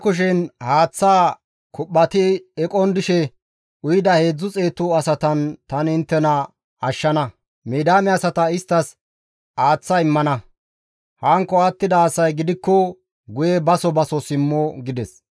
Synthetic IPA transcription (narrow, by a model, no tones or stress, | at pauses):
kʊʃ̬ɛnhaːt͡sːaː | kʊpːɐt̪ɪɛkʼɔnd̪ɪʃɛ | ʊjɪd̪ɐhe̞ːd͡zːʊt͡sʼe̞ːt̪ʊɐsɐt̪ɐnt̪ɐnɪnt̪ːɛnɐ | ɐʃːɐnɐ | meːd̪aːmɛɐsɐt̪ɐɪst̪ːɐs | haːt͡sːɐɪmːɐnɐ | hɐŋkːɔat̪ːɪd̪ɐːsɐjɡɪd̪ɪkːɔ | ɡʊjɛbɐsɔbɐsɔsɪmːɔɡɪd̪ɛs